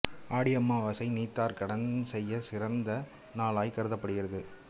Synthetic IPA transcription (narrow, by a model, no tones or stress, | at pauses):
aːɽɪjɐmːaːʋɐsɐɪniːt̪ːaːɾkɐɽɐnsɛjːɐsɪɾɐnd̪ɐ | naːlaːjkɐɾɯðɐpːɐɽɯɣɪɾɐðɯ